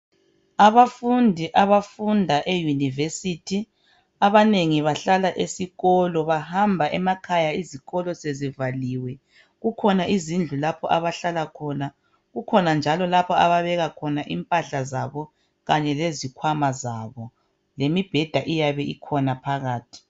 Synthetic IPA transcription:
aβafundʱiʔaβafundʱaʔejunivesitʰi | aβaneŋiβaɬalaʔesiɣɔlɔβahambʱaʔɛmakʰajaiziɣɔlɔsezivaliwɛ | ɣukʰɔnaʔizind͡ɮʱulapʰɔʔaβaɬalakʰɔːna | ɣukʰɔnand͡ʒʱalɔlapʰɔaβaβɛɣakʰɔnaʔimpʼaɬazaβɔ | ɣaɲɛlezikʰwamazaβɔ | lemib̥ʱɛd̥ʱaʔijaβɛikʰɔnapʰaɣaːtʰi̥

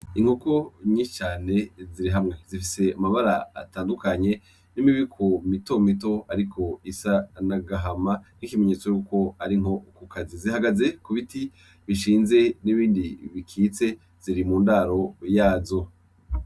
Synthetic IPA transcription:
iŋhuko̞ɲit͡ʃaːne̞ziɾiɦamŋe̞zifise̞amaβaɾaa̰taːndukaɲe̞ | nimiβikʰomito̞mito̞aɾikʰo̞isanaɡaɦamanikime̞ɲe̞t͡so̞juko̞aɾiŋho̞kukʰazizihaɡaze̞kuβiti | βiʃiːnze̞niβiːndiβikʰiːt͡se̞ | z̥iɾimuːndaɾo̞jaːzo̞

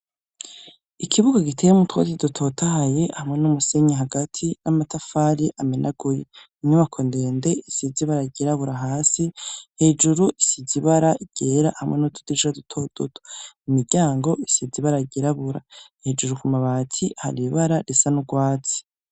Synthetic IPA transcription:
ikʰiβuɡaɡitʰe̞jemutwa̰kidutʰo̞ːtʰahaje̞hamŋe̞numuse̞ɲeɦaɡatʰinamatafaɾiʔamenʔaɡ̥uje | ɲumakʰo̞ndende̞isiziβaɾaiɟeɾaβuɾaɦaːsihe̞ːd͡ʒuɾuʔisiziβaɾaiɟ̥eːɾa̰hamŋenutʰu̥diʃadutʰo̞d̥otʰo̥imiɾɟaːŋɡo̞isiziβaɾaiɟeɾaβuɾa̰hed͡ʒuɾukumaβaːtʰiha̰ɾiβaɾaɾesanuɡwaːt͡si̥

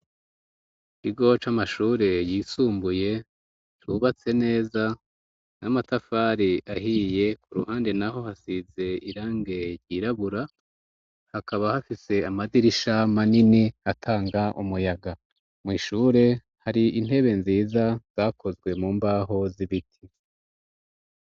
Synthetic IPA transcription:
kiɡo̞t͡ʃamaʃuːɾe̞jiːsuːmbuje̞ | tuβat͡se̞ne̞ːza | namatafaːɾiʔaɦiːje̞kuɾṵhaːnde̞naɦo̞hasize̞iɾaːŋɡe̞ɾɟiɾaβuɾa | hakaβahafise̞amadiɾiʃamaniniatʰaːŋɡaʔumujaɡa | mwiːʃuːɾe̞ | haɾiin̥he̞βe̞nziːzaz̥akʰo̞zɡwe̞muːmbaːɦo̞ziβitʰi

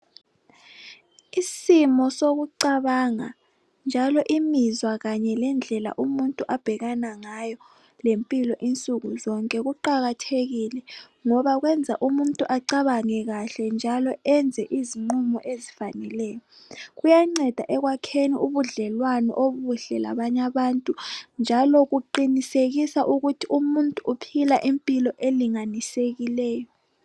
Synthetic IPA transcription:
isimɔsoɣuǀaβaŋa̰ | nd͡ʒʱalɔʔimizwaɣaɲɛlɛnd͡ɮʱɛla̰ʔumuntʼuʔab̥ʱɛɣanaŋajɔ | lempʼilɔʔint͡sʼuɣuzɔŋkʼɛɣuǃaɣatʰeɣilɛ | ŋɔβaɣwɛnd͡zʱa̰ʔumuntʼuʔaǀaβaŋɛɣaɬɛnd͡ʒʱalɔɛnd͡zʱɛʔiziŋ͡ǃumɔʔezifanɛlɛːjɔ | ɣujaŋ͡ǀɛd̥ʱaʔɛɣwakʰeniʔuβuɮɛlwanɔ̰ʔoβuɬɛla̰βaɲaβantʼund͡ʒʱalɔɣuǃiniseɣisaʔuɣutʰiumuntʼuʔupʰilaʔimpʼilɔʔeliŋaniseɣilɛːjɔ

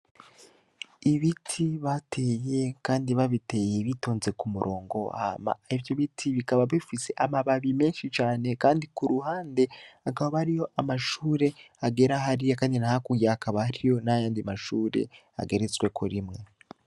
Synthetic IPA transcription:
iβitʰiβatʰe̞ːje̞kaːndiβaβite̞ːje̞βitoːnze̞kumuɾʔo̞ːŋɡo̞a̰ma̰ivjo̞βitʰiβikaβaβifise̞ʔamaβaβime̞ːnʃit͡ʃaːne̞kaːndikuɾuhaːnde̞akaβoβaɾijo̞ʔamaʃuːɾe̞ | aɡe̞ɾaɦaɾijokaːndinahakuɡjaakaβahaɾijo̞najaːndimaʃuːɾe̞̰ | a̰ɡe̞ɾet͡swekʰoɾimŋe̞

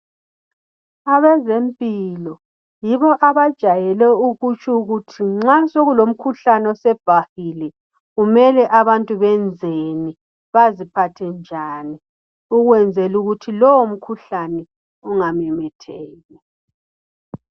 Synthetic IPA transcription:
aβɛzempʼilɔ | jiβɔʔaβad̥ʒ̥ʱajɛlɛuɣut͡ʃʰʼuɣutʰiŋ͡ǁasoɣulom̩kʰuɬanɔsɛb̥ʱahilɛ | ɣumɛlɛʔaβantʼuβɛnd͡zʱeni | βazipʰatʰɛnd͡ʒʱaːni | uɣwɛnd͡zʱɛluɣutʰilɔwom̩kʰuɬanɛ | uŋamɛmɛtʰɛːlɛ

